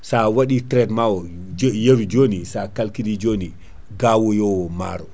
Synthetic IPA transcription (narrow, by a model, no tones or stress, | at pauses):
sawaɗitɾɛdmawɔ | jewid͡ʒoːnisakalkilid͡ʒoːni | ɡaːwɔjɔwɔma̰ɾɔ